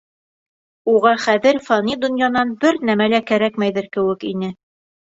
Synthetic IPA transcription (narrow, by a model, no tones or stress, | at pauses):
uʁɑχæðɘɾfɑnid̪ŏnjɑnɑnbɘɾnæmælækæɾækmæjðɘɾkɘ̆wɘkinɘ